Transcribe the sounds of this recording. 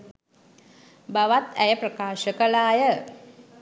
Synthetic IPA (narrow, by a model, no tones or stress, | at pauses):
baʋat̪æjəprəkaːʃəkəlaːjə